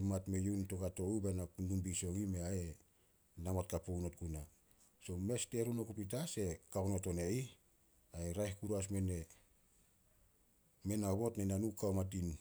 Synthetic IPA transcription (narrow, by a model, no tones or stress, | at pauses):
matmejunto̞kato̞ubenanumbiso̞ŋime̞ae | namot̚kapownot̚kuna | so̞me̞ste̞ɾunokupit̬ase̞kaknoto̞nei | aeɾajhkuɾas̬me̞ne | me̞naβotnenanukawmat̬in